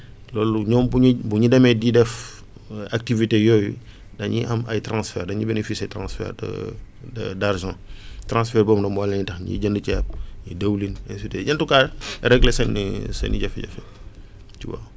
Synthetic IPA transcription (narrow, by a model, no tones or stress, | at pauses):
lɔːluɲɔːmbuɲbuɲidɛmɛdidɛf | ak̚tivitejɔjṵ | dɐɲiʔɐmɐ̰jtɾãːsfɛːrdɐɲibɛnefisɐjtɾãːnsfɛ̰ːrd̰ | darʒãːtɾãnsfɛrbɔːmdɐmwalɛɲitɐxɲḭɟɐndəcɛːp̚ɲidɐwlinɛnsitɛɟɐntukaɾɛɡlɛsɛnisɛ̰nḭɟɐfɛɟɐ̰fɛ | ciwa̰ː